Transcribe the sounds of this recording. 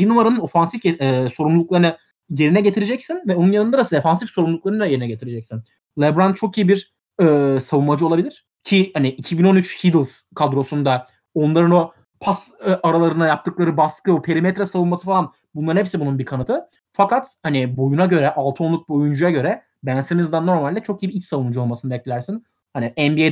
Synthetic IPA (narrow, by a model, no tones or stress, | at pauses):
binumaɾanɯno̞fansifeːso̞ɾumlˠuk̚lˠaɾɯna | je̞ɾinɛɟe̞t̪ʰiɾed͡ʒɛcsinvɛo̞nunjanɯnd̪ad̪asɯefansifso̞ɾumlˠuk̚lˠaɾɯnɯd̪ajeɾinɛɟe̞t̪ʰiɾed͡ʒɛcsin | lʲɛbɾand̪̚t͡ʃʰo̞kijibiɾ | ɯːsavunmad͡ʒɯo̞lˠabilʲiɾ̥ | cʰihaniʔicʰibino̞nyt͡ʃhid̪ilˠz̥kʰad̪ɾo̞sund̪a | o̞nlˠaɾɯno̞ | pʰasʔaɾalˠaɾɯnajap̚t̪ʰɯklˠaɾɯbaskɯopʰeɾimet̪ɾɛsavunmasɯfalˠan | bunlˠaɾnhɛpsɛbununbikʰanɯt̪ʰɯ | fakat̪hanibo̞junaɟø̞ɾɛʔalˠt̪ʰɯo̞nˠuk̚bo̞jund͡ʒujaɟø̞ɾɛ | bænsemizd̪anːo̞ɾmalʲd̪ɛt͡ʃʰo̞kijibiilt͡ʃsavunud͡ʒuo̞lˠmasɯnɯbɛclʲilʲæɾsin | haniʔɛnbie